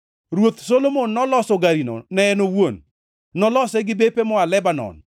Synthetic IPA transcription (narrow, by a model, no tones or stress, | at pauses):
ɾwot̪solomonːɔlɔsɔɡaɾino̰nɛɛnowon | nɔlɔsɛɡɪbepemɔalɛbanɔ̰n